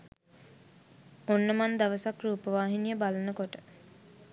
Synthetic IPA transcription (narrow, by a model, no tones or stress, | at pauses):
onːəmand̪aʋəsakruːpəʋaːɦinijəbalənəkoʈə̥